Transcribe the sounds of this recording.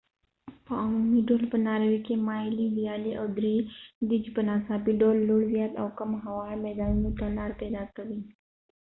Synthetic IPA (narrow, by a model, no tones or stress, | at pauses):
pamiɖoːlpənaːɾʋikemaːjilidijaːliʔawd̪ɾid̪id͡ʒpənaːsaːpiɖoːlːuɽzjaːt̪ɐwkɐmɦɐʋaːɾmɛːd̪aːnunot̪ɐlaːɾpɛːd̪aːkəʋi